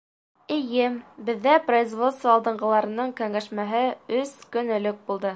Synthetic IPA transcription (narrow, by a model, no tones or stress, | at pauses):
ɘ̆jɘmbɘ̆ðːæproizvo̞t̪st̪vɐɑlˠd̪ɤ̆ɴɢɤ̆lˠɑɾɤ̆nɤɴkæŋæʃmæɦɘɵskɵ̆nɘ̆lɵk̚bulˠd̪ɤ